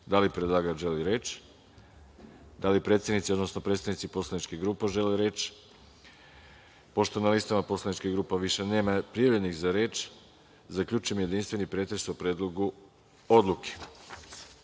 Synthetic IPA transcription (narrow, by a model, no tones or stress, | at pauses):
d̪alipɾed̪lˠaːɡaʒeliɾeːt͡ʃ | d̪alipɾet̪sed̪nit̪sio̞d̪no̞snopɾet̪st̪aʋnit̪sipo̞slˠanit͡ʃkeɡɾuːpaʒe̞leɾe̞ːt͡ʃ | po̞ʃt̪onalist̪amapo̞slˠanit͡ʃkiɡɾuːpaʋiʃeneːmapɾijavɾenixzaɾe̞ːt͡ʃ | zakʎuːt͡ʃujemje̞d̪inst̪ʋe̞nipɾet̪ɾesupɾeːd̪lˠo̞ɡu | o̞d̪lˠukʰe̥